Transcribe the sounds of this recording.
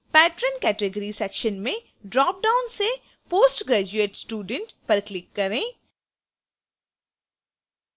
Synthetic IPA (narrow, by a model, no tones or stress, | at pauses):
pɛːʈɾənkɛːʈeɡəɾisɛːkʃənmẽ | ɖɾɔːp̚ɖaːʊnse | poːsʈɡɾɛːd͡ʒueːʈsʈuːɖə̃ɳʈpɐɾklɪkːɐɾẽː